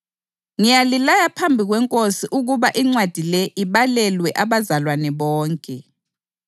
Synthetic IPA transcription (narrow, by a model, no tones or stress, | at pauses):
ŋijalilajapʰambʱiɣwɛŋkʼosiʔuɣuβaʔiŋ͡ǀwad̥ʱilɛʔiβalɛlwɛʔaβazalwanɛβɔːŋkʼɛ